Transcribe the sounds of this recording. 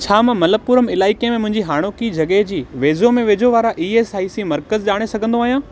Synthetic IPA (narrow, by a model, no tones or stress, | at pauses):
t͡ɕʰaːmɐ̃mɐləpuːɾəmɪlaːɪkemẽmʊ̃ɦɪ̃ɲd͡ʑiɦaːɽ̃oːkid͡ʑʱɐɠeɦd͡ʑiːʋeːd͡ʑomẽʋeːd͡ʑoʋaːɾaʔiːeːsaːisimɐɾkəzʄaːɽ̃esɐɡʱə̃nd̪oaːɦijãː